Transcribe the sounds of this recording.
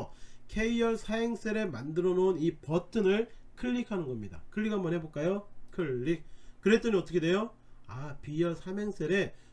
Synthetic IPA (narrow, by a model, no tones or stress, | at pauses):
kʰe̞iʌɭsʰaɦe̞ŋs͈e̞ɾe̞mandɯɾʌnonipʌtʰɯnɯɭkʰɯʎːikʰanɯnɡʌmɲida̰kʰɯɭːikʰamʌnɦe̞bok͈ajokʰɯɭːik̚kɯɾe̞t͈ʌniʌt͈ʌkʰedwe̞jo | apijʌɭsʰameŋs͈eɾe̞